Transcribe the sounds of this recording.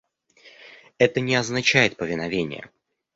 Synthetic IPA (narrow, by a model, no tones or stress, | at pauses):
ɛt̪ənʲɪɐznɐt͡ɕæjɪt̪̚pəvʲɪnɐvʲenʲɪ̰jə̰